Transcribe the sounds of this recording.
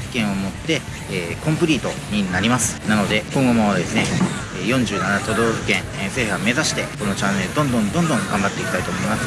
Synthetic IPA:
kẽ̞ɰ̃o̞mo̞t̪ːe̞ː | kõ̞mpɯ̟ɾʲiːt̪o̞ɲ̟inaɾʲimasɨ̥nano̞d̪e̞kõ̞ŋɡo̞mo̞d̪e̞sɨne̞ː | jõ̞ɲ̟d͡ʑɨːnanat̪o̞d̪o̞ːɸɯ̟̥kẽ̞ŋse̞ːhɯame̞zaɕi̥t̪e̞ko̞no̞t͡ɕãnːe̞ɾɯd̪õ̞nd̪õ̞nd̪õ̞nd̪õŋɡãmbat̪ːe̞ikʲi̥t̪ait̪o̞ːmo̞imasɨ̥

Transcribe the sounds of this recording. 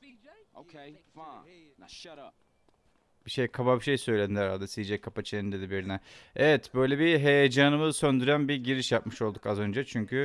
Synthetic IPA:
biʃejkʰababiʃe̞jsø̞jlʲed̪ind̪æɾa̰ld̪ɛsid͡ʒɛkʰːapat͡ʃʰieind̪ed̪ibiɾinɛevɛt̪bø̞jlʲebiɦe̞jed͡ʒaːnɯmɯsønd̪yɾænbiɟiɾiʃjap̚mɯʃo̞lˠd̪ukazø̞nd͡ʒɛt͡ʃʰyɲcʰy

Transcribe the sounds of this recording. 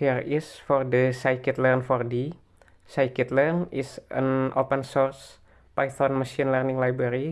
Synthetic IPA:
hirisfɔrdəsajkit̪lərnfɔrdi | sajkit̪lərnisə̰nʔopənsɔrs | pajt̪ɔnməʃinlərnɪ̃ŋlajbɾaɾi

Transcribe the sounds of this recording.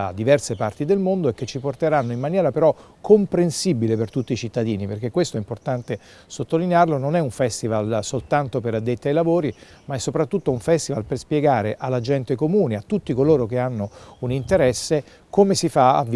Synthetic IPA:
a̰d̪ivɛrsepart̪id̪elmond̪oɛk̟ːet͡ʃːiport̪eɾanːoimːanjɛːɾapeɾɔ | kʰompɾensibilepert̪ut̪ːit͡ʃit̪ːad̪iːniperk̟ekːwest̪oɛimport̪ant̪e | sot̪ːolinearlononɛuɱfɛst̪ivalsolt̪ant̪opeɾad̪ːet̪ːiajlavoːɾi | maɛsːopɾat̪ːut̪ːouɱfɛst̪ivalperspjeɡaːɾeʔalːad͡ʒɛnt̪ekomuːniat̪ːut̪ːikoloːɾokeanːounint̪eɾɛsːe | komesifaa̰vː

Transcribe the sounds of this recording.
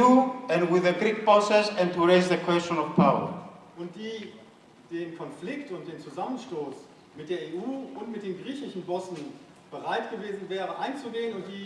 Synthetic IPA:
uɛ̃nwɪðəɡɹik̚b̥ɔsɛsɛ̃ntʰuɹeɪzðəkʰwɛst͡ʃɔ̃nɔv̥pʰaʊə̰˞ʔʊntd̥iː | d̥eːnkʰɔnflɪktʊnt̚d̥eːnt͡suzamənʃtoːs | mɪt̚d̥eːɐeːʔuːʊntmɪt̚d̥eːnɡʁiːçɪʃn̩bɔsn̩ | b̥əʁaɪtɡ̥əveːzn̩vɛːʁəʔaɪnt͡suɡeːənʊntd̥iː

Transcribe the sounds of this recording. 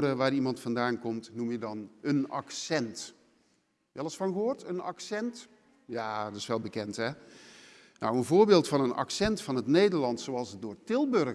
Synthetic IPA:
dəʋaːrimɑntfɑndaːnkɔmtnumjədɑnənɑ̰ksɛnt | ɛlˠəsfɔnɣəɦoːrtʰənɑ̰ksɛnt | jaːdɪsʋɛlˠbəkɛntɦɛ | na̰wənvoːɹbeːlˠtfɑnənɑ̰ksɛntfɑnətneːdərlɑntsoɑlˠsədoːrtɪlˠbørɣ

